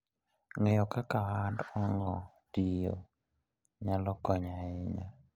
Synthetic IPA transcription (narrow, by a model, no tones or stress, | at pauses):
ŋejɔkakawandɔŋɔ | d̥ijo̰ | ɲalɔkɔɲaɪɲa